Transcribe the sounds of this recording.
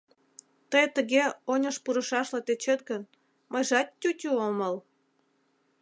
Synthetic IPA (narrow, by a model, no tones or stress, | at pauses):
t̪əjt̪əɣeonʲəʃpuɾəʃɑʃlet̪et͡ɕet̪ɣən | məjʒɑt̪ːʲutʲyoməl